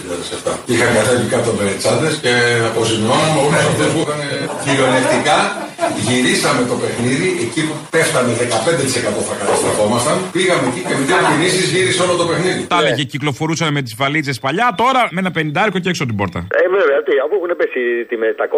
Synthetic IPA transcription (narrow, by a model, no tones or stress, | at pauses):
iʎɐðesɐft̪ɐixɐŋɡɐθevikɐt̪obeɾet͡sɐnðesceɐpozinonɐmoneoðosuixɐneciɾioleft̪ikɐ | ʝiɾisɐme̞t̪o̞pe̞xniðiʔecipupeft̪ɐneðekɐpe̞nd̪et̪i̥se̞kɐt̪o̞θɐkɐt̪ɐst̪ɾɐfo̞mɐst̪ɐnpiɣɐmecicemit̪ɐɐpinisizʝiɾiseo̞lot̪o̞pe̞xniðit̪ɐleʝeciklo̞fo̞ɾusɐnmet̪̬izvɐlit͡sespɐʎɐt̪o̞ɾɐmenɐpe̞nind̪ɐeɾkoceeksot̪̬ibo̞ɾt̪ɐ̰evevet̪iopuexunepesit̪imet̪ɐko